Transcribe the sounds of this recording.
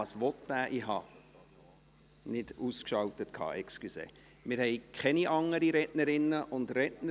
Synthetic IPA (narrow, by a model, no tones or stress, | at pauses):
ɑsʋɔtdæːʔiɦɑ̰ː | nɪduskʃɑltətkʰɑ̰ːʔɛkskysḛː | mɪɾhɛɪkʰχɛniʔɑŋəɾiɾɛtnəɾɪnːəʔʊndrɛtnə